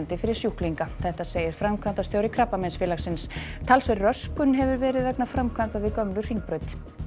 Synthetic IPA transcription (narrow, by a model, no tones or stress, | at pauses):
nt̪ɪfɪɾɪɾ̥sjuhkliŋkaθɛht̪aseːjɪɾ̥fɾamkʰvant̪ast̪jowɾɪkʰɾapːamɛnsfɪːlaksɪnst̪ʰalsvɛrrːœskʏnɦɛvʏɾvɛːɾɪðvɛknafɾamkʰvant̪aðvɪkœmlʏ̥r̥iŋpɾœːɥt̪